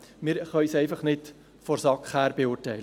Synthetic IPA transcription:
mɪːɾχœʏsɛɪfɑχnɪt | fɔɾsɑkχhæːɾbeʊrtɛɪlə

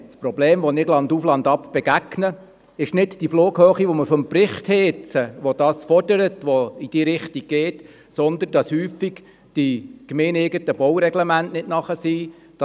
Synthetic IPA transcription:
spɾɔbleːmʋonɪɡlɑnd̪uflɑnd̪ɑpb̥ɛɡæɡnə | ɪʃnɪtd̥ifloːɡ̥høːχiʋoməfɔmprɪχthɛt͡səʋod̥ɑːsfɔrd̥əɾətʋoid̥iːɾɪχtiɡ̚ɡ̥eːt | sɔnd̪ənd̥ɑshyːfiɡ | d̥ikmeːneːɡətəb̥ɔwɾɛɡlɛmæntnɪtnɑχəsi | d̥ɑ

